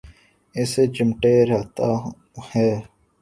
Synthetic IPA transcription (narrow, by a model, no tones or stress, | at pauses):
ɪseːd͡ʒɪmʈeːɾat̪aː | hɛː